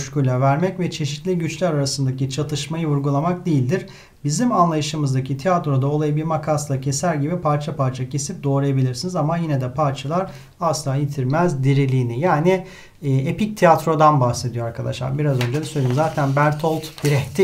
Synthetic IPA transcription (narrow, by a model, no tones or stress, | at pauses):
ʃcylʲɛvæɾmɛcvɛt͡ʃʰe̞ʃit̪lʲiɟyt͡ʃlʲæɾaɾasɯnd̪acit͡ʃʰat̪ʰɯʃmajɯvuɾɡulˠamak̚d̪ejilʲd̪iɾ̥ | bizimanlˠajɯʃɯmɯzd̪acit̪ʰiat̪ɾo̞d̪ao̞lˠajɯbiɾmakʰaslˠacʰe̞sæɾʲɟibipʰaɾt͡ʃʰapaɾt͡ʃʰacʰe̞sip̚d̪o̞ːɾajabilʲiɾsinizamajinɛd̪ɛpʰaɾt͡ʃʰalˠaɾ | aslˠaːjit̪ʰiɾmæzd̪iɾilʲiːnijaːniː | epic̚t̪ʰiat̪ɾo̞d̪anbaxse̞d̪ijo̞aɾkʰad̪a̰ʃlˠa̰ɾbiɾazø̞nd͡ʒed̪ɛsøjlʲiimzaːt̪ʰænbæɾt̪ʰolˠt̪biɾɛçt̪ʰi